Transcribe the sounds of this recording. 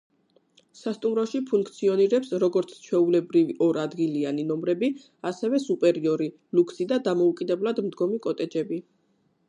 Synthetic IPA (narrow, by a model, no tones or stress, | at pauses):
sast̪ʼumɾɔʃipʰuŋkʰt̪sʰiɔniɾɛpsɾɔɡɔɾt̪sʰt͡ʃʰwɛulɛbɾiviʔɔɾad̪ɡilianinɔmɾɛbi | asɛvɛsupʼɛɾiɔɾi | lukʰsid̪ad̪amɔukʼid̪ɛblˠad̪md̪ɡɔmikʼɔt̪ʼɛd͡ʒɛbi